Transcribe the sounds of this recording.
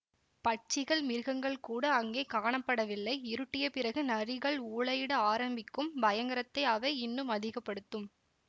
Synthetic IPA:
pɐʈ̚t͡ʃːɪɣɐɭmɪɾɣɐŋɡɐɭkuːɽɐːŋɡeːkaːɳɐpːɐɽɐʋɪlːɐɪɪɾɯʈːɪjɐpɪrɐɣɯnɐrɪɣɐɭuːɭɐjɪɽɐaːɾɐmbɪkːɯmbɐjɐŋɡɐɾɐt̪ːɐɪɐʋɐɪɪnːɯmɐðɪɣɐpːɐɽɯt̪ːɯm

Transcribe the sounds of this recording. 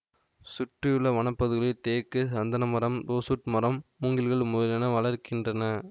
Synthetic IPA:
sʊʈrɪjɯɭːɐʋɐɳɐpːɐðɯɣɐɭɯt̪eːkːɯsɐnd̪ɐnɐmɐɾɐmd̪oːsʊʈmɐɾɐmːʊŋɡɪlɣɐɭmʊðɐlɐnɐʋɐɭɐɾkɪndrɐnɐ

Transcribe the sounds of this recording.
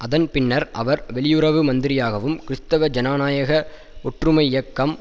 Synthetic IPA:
ʔɐðɐnpɪnːɐɾʔɐ̰ʋɐɾʋɛɭɪjʊɾɐʋɯmɐnd̪ɪɾɪjaːɣɐʋɯmkɪɾɪst̪ɐʋɐd͡ʒɐnaːnaːjɐɣɐ | ɔʈrɯmɐɪɪjɐkːɐm

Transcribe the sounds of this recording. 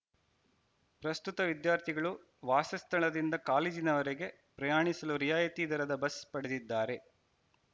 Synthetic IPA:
pɾɐst̪ut̪ɐʋid̪jaːɾt̪ʰiɡɐɭu | ʋaːsɐst̪ʰɐɭɐd̪ind̪ɐkaːliːd͡ʒinɐʋɐɾeɡe̞ | pɾɐjaːɳisɐluɾijaːjɐt̪iːd̪ɐɾɐd̪ɐbɐspɐɽed̪id̪ːaːɾe̞

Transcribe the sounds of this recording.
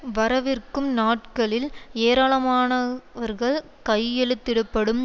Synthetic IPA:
ʋɐɾɐʋɪrkɯmnaːʈ̚kɐɭɪleːɾaːɭɐmaːnɐʋɐɾɣɐɭ | kɐɪɛɭɯt̪ːɪɽɯpːɐɽɯm

